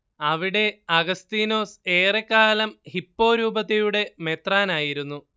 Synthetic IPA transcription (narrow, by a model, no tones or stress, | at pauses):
ɐʋiɽe̞ɐɡɐst̪iːno̞ːse̞ːrekːaːlɐmhipːo̞ːɾuːbɐðɐjuɽe̞me̞t̪raːnaːjiɾunːu